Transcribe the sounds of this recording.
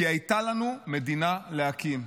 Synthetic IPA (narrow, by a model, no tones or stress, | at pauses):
iajtalanume̞dinaleakim